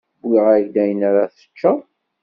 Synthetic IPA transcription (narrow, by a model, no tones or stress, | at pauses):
bːiʁæʝd̪æjənaɾaθə̥t͡ʃːə